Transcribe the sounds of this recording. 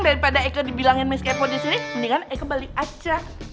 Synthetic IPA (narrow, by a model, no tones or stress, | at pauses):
daɾipadaekədibilaŋɪnmɛskefɔdisininikanɛkəbalikat͡ʃa